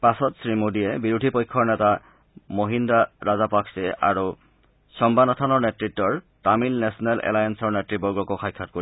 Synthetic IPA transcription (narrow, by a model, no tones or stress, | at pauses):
pasɔtsɹimodiɛbiɹudʱipojkʰːɔɹnɛta | moɦindaɹazapaksɛa̰ɹu | sɔmbanɔtʰanɔɹnɛtɹitːɔɹ | tamilnɛsɔnɛlʔɛ̰lajansɔɹnɛtɹibɔɡɔkɔxʰajkʰːat̚koi